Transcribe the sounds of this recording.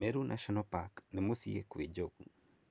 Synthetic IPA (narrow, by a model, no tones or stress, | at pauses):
eɾunʔa̰ʃɔnɔpaknɛmosiḛkwid͡ʒoku